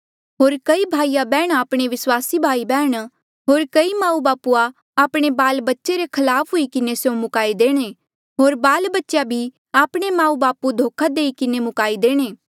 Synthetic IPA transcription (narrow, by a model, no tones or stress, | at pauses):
ɦoːɾkɐibʱaːijabɛːɽ̃aːpɽ̃eʋɪswaːsibʱaːibɛːɽ̃ | ɦoːɾkɐimãːũbaːpua | aːpɽ̃ebaːlbɐtːʃeɾekʰɐlaːpʰɦʊikɪnesjõmʊkaːid̪eːɽ̃eː | ɦoːɾbaːlbɐtːʃjabʱi | aːpɽ̃emãːũbaːpud̪ʱoːkʰad̪eːikɪnemʊkaːid̪eːɽ̃eː